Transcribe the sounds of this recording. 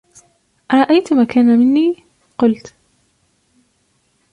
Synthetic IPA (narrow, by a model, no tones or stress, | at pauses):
ʔaɾˤɑʔajt̪maːkaːnamɪnːiː | qʊlt̪